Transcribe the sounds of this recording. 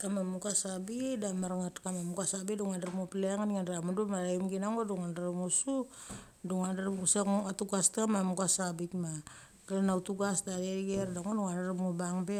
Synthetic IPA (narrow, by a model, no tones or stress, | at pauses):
kamamuɡasabidamaɾŋatkamamuɡasabidoŋandaɾpŋopileaŋanŋandɾamadumaɾaimɡinaŋodoŋandaɾamosu | doŋandaɾɡusaatuɡastkamamuɡasabikma | kalanawtuɡasdadeɡeɾdaŋodoŋandarapmobaŋbe